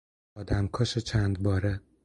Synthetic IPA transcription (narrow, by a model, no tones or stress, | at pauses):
ɒːd̪æmkʰɒʃet͡ʃʰænd̪bɒːɾe